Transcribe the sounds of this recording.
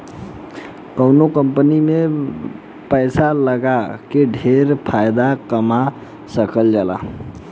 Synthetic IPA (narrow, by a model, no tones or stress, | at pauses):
kəwnokəmpənime | pəjsaləɡakeɖʱeɾpʰajd̪akəma | səkəld͡ʒala̰